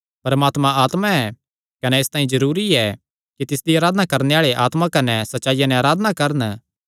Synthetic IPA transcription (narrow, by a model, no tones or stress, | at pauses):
pɐɾɐmaːt̪mãaːt̪mãɛ | kɐnɛɪst̪ãːĩzɐɾuːɾiɛ | kit̪ɪsd̪iaːɾaːd̪ənakɐɾneaːɭeʔaːt̪mãkɐnɛsɐtːʃaːijanɛ̃aːɾaːd̪ənakɐɾən